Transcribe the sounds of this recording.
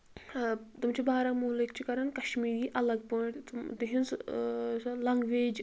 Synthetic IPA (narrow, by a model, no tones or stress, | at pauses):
t̪umt͡ʃibaːɾɐŋmuːlikt͡ʃʰikɐɾɐnkɐʃmiːɾiːʔɐlɐɡ̚pəːʈt̪d̪iɦinsslɐŋɡʋeːd͡ʒ